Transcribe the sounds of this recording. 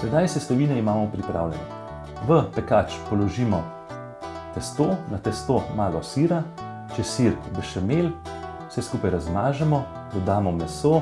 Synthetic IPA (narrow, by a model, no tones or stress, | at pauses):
sɛd̪ajsɛst̪ɔʋiːnɛimaːmɔpɾipɾa̰ːwlʲɛ̰nɛ̰ | ʋəpɛkaːt͡ʃpɔlɔʒiːmɔ | t̪ɛst̪oːnat̪ɛst̪omaːɡɔsiːɾa | t͡ʃɛsiɾbəʃɛmel | wsɛskuːpajɾazmaːʒɛmɔ | d̪ɔd̪aːmɔmɛsoː